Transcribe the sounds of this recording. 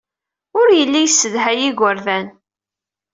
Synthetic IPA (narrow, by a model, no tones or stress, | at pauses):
ʊɾjəlːijsːəðɦæjiɡʷəɾðæn